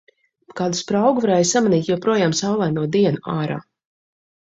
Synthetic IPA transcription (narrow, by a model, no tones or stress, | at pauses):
kaːd̪uspɾawɡuvɾajsamaniːt̪jɔpɾuɔjaːmsawlˠɛjnuɔd̪iɛnuʔaːɾa̰ː